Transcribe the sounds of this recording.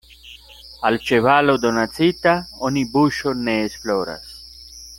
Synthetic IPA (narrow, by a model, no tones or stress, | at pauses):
alt͡ʃeβalod̪onat͡sit̪aonibuʃonːeːsfloɾa̰s